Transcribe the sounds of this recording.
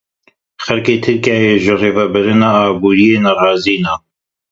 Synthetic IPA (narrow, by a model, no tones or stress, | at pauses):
xɛlkeːt̪ʰɨɾkjaːjeːʒɨreːvɛbɨɾɨnaːaːbuːɾijeːnɐrɑːziːnaː